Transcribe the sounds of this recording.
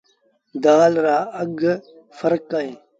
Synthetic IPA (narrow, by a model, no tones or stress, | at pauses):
d̪aːlɾaːəɡ | fəɾkaːẽː